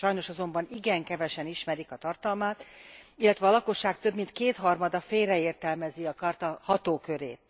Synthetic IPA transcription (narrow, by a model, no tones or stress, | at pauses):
ʃɒjno̞ʃɒzo̞mbɒniɡɛŋkɛvɛʃɛniʃmɛɾikɒt̪ɒrt̪ɒlmaːt̪ilːɛt̪ʋɛɒːlɒko̞ʃːaːk̚t̪ø̞bmint̪keːt̪hɒrmɒd̪ɒfeːlrɛeːrt̪ɛlmɛziɒkɒrt̪ɒhɒt̪oːkø̞ɾeːt̪